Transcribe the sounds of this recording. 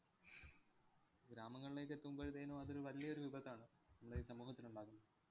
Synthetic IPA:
ɡɾaːmɐŋːɐɭile̞ːkːe̞t̪ːuumboɾit̪eːnoːɐðoɾuʋɐlijɐo̞ɾuʋibɐɣːaːɳɨ | nɐmːɐɽeiːsɐmuːhɐt̪ːinuɳɖaːɣunːɐɨ

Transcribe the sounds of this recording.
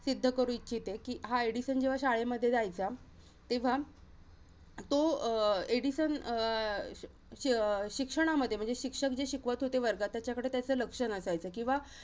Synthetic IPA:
sid̪ʱːəkəɾũːitːɕʰit̪ekiːɦaeɽiɕənd͡ʑeʋaɕaɭeməd̪ʱːjeajt͡sa | t̪eʋ̤a | t̪oeɽiɕən | ɕikʂəɽ̃aməd̪ʱje̤əɳd͡zeɕikʂək̚d͡ʑeɕikʋat̪ɦot̪eʋəɾɡat̪ːjat͡ɕjakəɽet̪jat͡səːləkʂənəsajt͡səkĩʋa

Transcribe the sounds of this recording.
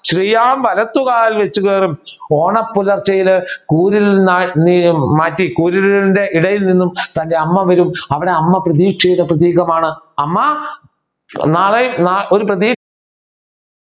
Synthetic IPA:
ɕrijaːmʋɐlɐt̪ːuɣaːlʋet͡ɕːuɣeːrumo̞ːɳɐpːulɐrt͡ɕɐjilkuːɾilnaːnimaːtːikuːɾiliinde̞ʔiɽɐjilninːumt̪ɐnde̞ɐmːɐʋɐɾumɐʋiɽe̞ɐmːɐprɐðiːkʂejunːɐprɐt̪ːiːɣɐmaːɳɨɐmːɐ | naːɭenaːʔo̞ɾuprɐðiː

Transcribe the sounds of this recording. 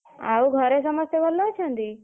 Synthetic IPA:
a̰uɡʱəɾes̬əməst̪jeʋəlːot͡ʃʰãnd̪i

